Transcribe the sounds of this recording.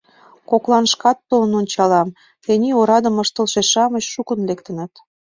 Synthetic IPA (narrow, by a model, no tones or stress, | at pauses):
koklˠɑnʃkɑt̪̚pɤlənonʲt͡ɕɑlɑm | t̪enʲioɾɑd̪ə̆məʃt̪əlʃeʃɑməɕʃukə̆nlekt̪ənət̪